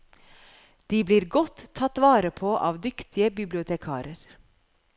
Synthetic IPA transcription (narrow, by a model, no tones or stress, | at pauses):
d̪̥iːbliːɾɡɔt̪ʰːɑt̪ʋɑːɾəpʰoːʔɑ̰ːʋd̪ʏkt̪ʰɪəbɪblɪʊt̪ʰɛkʰɑ̰ːɾəɾ